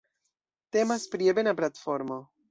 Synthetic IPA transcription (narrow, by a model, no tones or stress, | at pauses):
te̞maspɾiebe̞naplatfo̞ɾmo̞